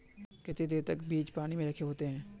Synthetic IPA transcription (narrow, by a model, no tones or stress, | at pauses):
kɪt̪ed̪eːɾt̪ɐkbiːt͡ʃpaːnimẽɾɐkʰeɦoːt̪eɦɛ̃ː